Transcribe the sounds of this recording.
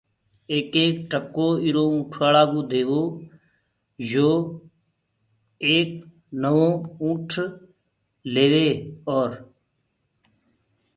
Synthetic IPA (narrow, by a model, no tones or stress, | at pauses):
eːkeːk̚ʈəkːoːiɾoːũːʈʰʋaːlaːɡũːd̪eːʋoː | d͡ʒoː | eːk | nəʋõːũːʈʰ | leːʋeːɔːɾ